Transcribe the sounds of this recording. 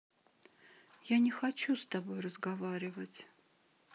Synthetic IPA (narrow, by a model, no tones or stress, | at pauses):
janʲɪxat͡ɕust̪abojrəzɡavaɾʲɪvət͡sʲ